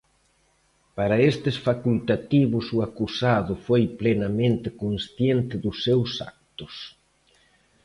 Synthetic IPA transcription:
paɾɐest̪ɪsfakult̪at̪iβʊsʊakusaðʊfojplenamẽnt̪ɪkonsθjent̪ɪðʊsːewsa̰k̚t̪ʊs

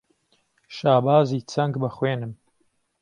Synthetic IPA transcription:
ʃaːbaːziːt͡sʰɐŋɡbɐxweːnɨm

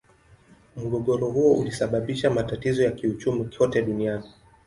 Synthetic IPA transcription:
muɠɔɠɔɾɔɦuɔʔṵlisaɓaɓiʃamatatizɔjakiut͡ʃumikʰɔtɛɗuniani

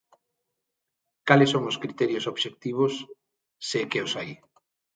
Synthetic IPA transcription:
kalɪsoŋʊskɾit̪ɛɾjʊsoβʃek̚t̪iβ̞ʊsː | ekeosaj

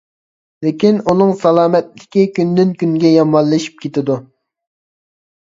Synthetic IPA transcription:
lɪkʲinunɨŋsɑlˠɑːmɛt̪lɪ̥kʲikʲynd̪ynkʲynɡʲɛjɑmɑlˠːɨʃi̥p̚kʲet̪ɪd̪u

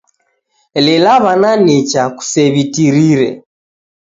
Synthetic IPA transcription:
lɛlaβananit͡ʃaku̥sɛβitiɾiɾɛ̰

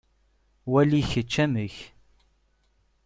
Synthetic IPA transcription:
wæliçət͡ʃːæməç

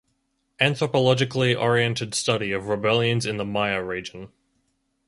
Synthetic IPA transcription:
æ̃nθɹəpəlɑd͡ʒɨkʰliʔɔɹiɛ̃ntʰɨd̥stʌɾiʌvɹɨbɛlˠjɨ̃nzɨ̃nðəmaɪəɹid͡ʒə̃n̩

